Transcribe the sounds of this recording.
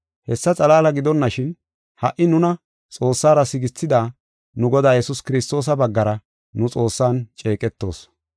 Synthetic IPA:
hɛsːɐt͡sʼɐlaːlɐɡɪd̪ɔnːɐʃɪn | hɐʔɪnʊnɐ | t͡sʼo̞ːsːaːɾɐsɪɡɪt͡sːɪd̪aː | nʊɡɔd̪aːjɛsʊskɪɾɪst̪o̞ːs̬ɐbɐɡːɐɾɐ | nʊt͡sʼo̞ːsːaːnt͡ʃʼe̞ːkʼɛt̪ːo̞ːs

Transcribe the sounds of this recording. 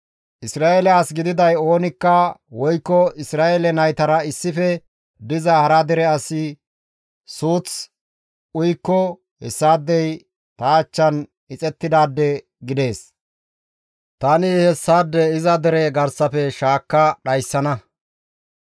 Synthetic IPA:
ʔɪsɾaːɛlɛaːsɡɪd̪ɪd̪ɐjo̞ːnɪkːɐwɔjkːɔɪsɾaːʔɛlɛnɐjt̪ɐɾɐɪsːɪfɛ | d̪ɪzɐhɐɾɐd̪ɛɾɛɐsɪ | suːt͡s | ʊjkːɔ | hɛsːaːd̪ːɛj | t̪aːt͡ʃːɐn | ɪt͡sʼɛt̪ːɪd̪aːd̪ːɛ | ɡɪd̪e̞ːs | t̪ɐnɪhɛsːaːd̪ːɛɪzɐd̪ɛɾɛɡɐɾsɐfɛʃaːkːɐɗɐjsːɐnɐ

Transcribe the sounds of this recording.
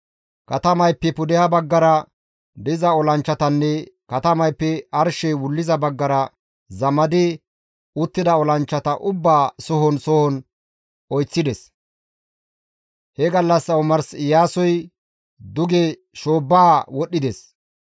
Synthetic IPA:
kɐt̪ɐmɐjpːɛpʊd̪ɛhɐbɐɡːɐɾɐ | d̪ɪzɐɔlɐnt͡ʃːɐt̪ɐnːɛkɐt̪ɐmɐjpːɛɐɾʃɛjwʊlːɪzɐbɐɡːɐɾɐ | zɐmɐd̪ɪ | ʊt̪ːɪd̪ɐɔlɐnt͡ʃːɐt̪ɐʔʊbːaːsɔɦɔnsɔhɔn | ɔjt͡sːɪd̪ɛs | hɛɡɐlːɐsːɐwmɐɾsɪjaːsɔj | d̪ʊɡɛ | ʃoːbːaːwɔɗːɪd̪ɛs

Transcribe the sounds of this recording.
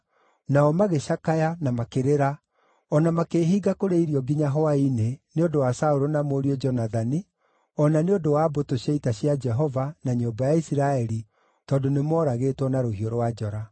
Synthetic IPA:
naɔmaɣeɕakajanamakeɾeɾa | ɔnamakeɦiːɡakoɾeiɾiɔɡiɲaɦɔaineneondowasauɾonamoːɾiɔd͡ʒɔnaðani | ɔnaneodowabotoɕaitaɕjad͡ʒɛɦɔvanaɲoːmbajaisiɾaɛɾi | tɔːdonemɔːɾaɣeːtwɔnaɾohioɾwad͡ʒɔɾa

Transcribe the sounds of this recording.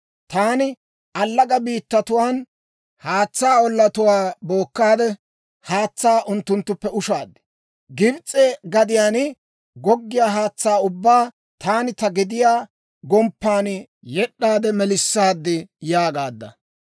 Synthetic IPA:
t̪aːnɪ | ɐlːɐɡɐbiːt̪ːɐt̪ʊwaːn | haːt͡sːaːɔlːɐt̪ʊwaːbo̞ːkːaːd̪ɛ | haːt͡sːaːʔʊnt̪ːʊnt̪ːʊpːɛʊʃaːd̪ːɪ̥ | ɡɪbt͡sʼɛɡɐd̪ɪjaːnɪ | ɡɔɡːɪjaːɦaːt͡sːaːʊbːaː | t̪aːnɪt̪ɐɡɪd̪ɪjaː | ɡɔmpːaːn | jɛɗːaːd̪ɛmɛlɪsːaːd̪ːɪjaːɡaːd̪ːɐ̰

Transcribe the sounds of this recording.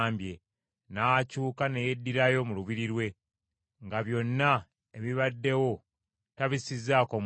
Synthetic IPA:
mbje̞ | nacuːkane̞jedːiɾajo̞muluβiɾiɾwe̞ | ŋɡaβjo̞nːa | e̞βiβadːe̞wo̞ | taβisizːaːkom

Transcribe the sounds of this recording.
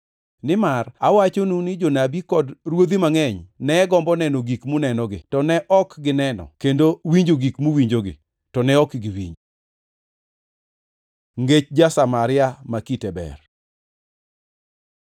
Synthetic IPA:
nɪmarawat͡ʃonunɪd͡ʒonabikɔdrwod̪imaŋɛɲnɛɡɔmbɔnɛnoɡikmunɛnɔɡɪtɔnɛʔɔkɡɪnɛnɔ̰kendowiɲd͡ʒoɡikmuwiɲd͡ʒoɡɪ̰ | tɔnɛɔkɡɪwḭɲd͡ʒo | ŋɡet͡ʃd͡ʒasamaɾɪamakitɛbɛ̰r

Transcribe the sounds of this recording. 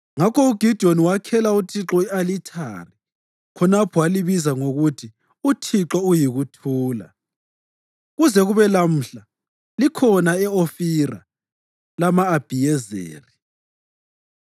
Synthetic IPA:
ŋakʰɔuɡ̥ʱid̥ʱioniwakʰɛlautʰiǁɔialitʰa̰ri | kʰɔnapʰɔwaliβizaŋoɣutʰi | utʰiǁɔujiɣutʰuːla̰ | ɣuzɛɣuβɛlam̩ːɬa | likʰɔnaɛofira̰ | lamaːb̥ʱijɛzḛːri

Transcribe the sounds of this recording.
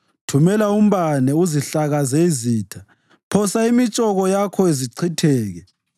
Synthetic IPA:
tʰumɛlaum̩βanɛuziɬaɣazɛiziːtʰa | pʰɔsaimit͡ʃʼɔɣɔjakʰɔeziǀʰitʰɛːɣɛ

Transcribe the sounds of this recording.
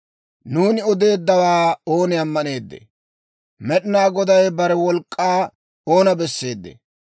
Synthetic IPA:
nuːnɪɔd̪e̞ːd̪ːɐwaːo̞ːnɪɐmːɐne̞ːd̪ːɛ̰ | mɛɗɪnaːɡɔd̪ɐjbɐɾɛwɔlkʼːaː | oːnɐbɛsːe̞ːd̪ːɛ̰

